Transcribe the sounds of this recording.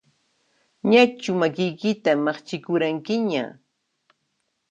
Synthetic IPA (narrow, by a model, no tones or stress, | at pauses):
ɲat͡ʃʊmakɪjkɪt̪amɑχt͡ʃɪkʊɾaŋkɪɲa̰